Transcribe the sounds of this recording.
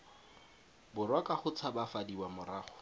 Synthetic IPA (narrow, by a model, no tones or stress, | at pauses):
bʊrwakʼaχʊt͡sʰabafadiwamʊɾaːχʊ̥